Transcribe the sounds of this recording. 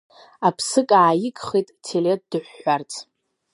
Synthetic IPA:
apʰsɨkʼaːjɪkʼχejtʼtʰelet̚ʰʼdɨħʷːart͡sʼʰ

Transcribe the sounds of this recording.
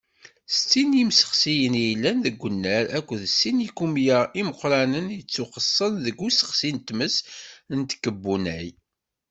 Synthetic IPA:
st͡s̪ːinimsə̥χsijənijlːænðəɡʷːənːæɾækʷːðsinikumjəiməqɾɑnənjət͡sːuqəsˤːənðəɡːusə̥χsint̪məsnt̪kːəbːunæj

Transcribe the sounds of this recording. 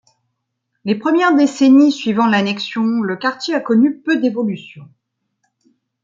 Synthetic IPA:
lepχəmjɛʁd̪esenisɥivɑ̃lanɛksjɔ̃ləkaʁt̪jeakɔnypød̪evɔlysjɔ̃

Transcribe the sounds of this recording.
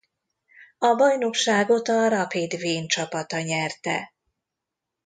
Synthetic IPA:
ɒbɒjnokʃaːɡo̞t̪ɒɾɒpid̪veːnt͡ʃɒpɒt̪ɒɲɛrt̪ɛ̰

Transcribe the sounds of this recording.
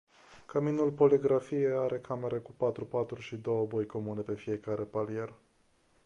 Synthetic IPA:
kaminulpo̞liɡɾafijeaɾe̞kʰame̞ɾekupat̪ɾupat̪ɾuʃid̪o̞wəbo̞jko̞mune̞pe̞fije̞kaɾe̞palije̞r

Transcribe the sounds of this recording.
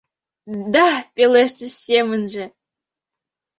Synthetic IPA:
d̪apʲeleʃt̪esemənʒĕ

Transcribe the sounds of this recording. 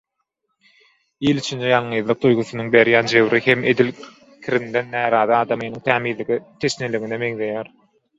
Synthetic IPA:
ilit͡ʃʰind͡ʒejɑlˠɴɯjðlˠɯq̚d̪ujɣuθɯnɯŋbe̞ɾjæːnd͡ʒe̞βɾʔihe̞mʔe̞d̪il | kʲʰiɾind̪e̞nːæːɾɑːðɯɑːd̪ɑmɯeniŋt̪ʰæːmiːðlːiɣit̪ʰe̞ʃneliɣineme̞ŋðe̞jæːɾ

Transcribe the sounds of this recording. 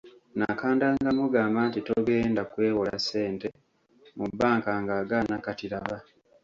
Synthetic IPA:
nakaːndaŋɡamuɡaːmbantito̞ɡe̞ːndakwe̞ːwola̰sːe̞ːnte̞ | mubːaːŋkaŋɡaːɡanakatiɾaβa

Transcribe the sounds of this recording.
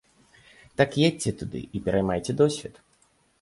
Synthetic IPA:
t̪akjet͡sʲːɛt̪ud̪ɨ̰ipʲɛɾɐjmajtʲɛd̪ɔsʲvʲit̪

